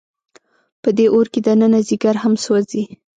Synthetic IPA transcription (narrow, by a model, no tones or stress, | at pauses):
pəd̪eʔoɾked̪anənaziɡaɾhamsozi